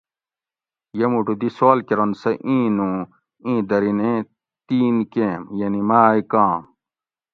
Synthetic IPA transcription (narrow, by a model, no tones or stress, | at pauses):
jɐmuʈud̪isoːlkeɾɐnsɐʔĩːnũ | ĩːd̪ɐɾine | t̪iːnkẽmjɐnimaːikãːm